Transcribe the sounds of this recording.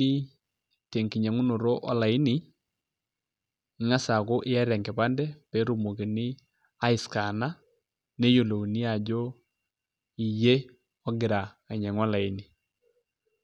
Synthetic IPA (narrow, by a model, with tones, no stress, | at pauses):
i˦ | te˨ŋki˨ɲɛ˨ŋʊ˦no˨ɾo˦ʔɔ˦la˨ɪ˦nɪ˨ | ŋa˦sa˨ko˦ʔɪ˦ja˦ɾja˨ŋkɛ˨pa˦ndɛ˦pɛ˨˦ɾu˨mo˨ki˨nɪ˦ | a˦ɪ˨ska˨na˦ | ne˦jo˨lo˨ni˦a˨d͡ʒo˦ | i˨je˦ | ɔ˦ɡɪ˨ɾaː˨ɲɛ˨ŋwa˦la˨ɪ˦ni˨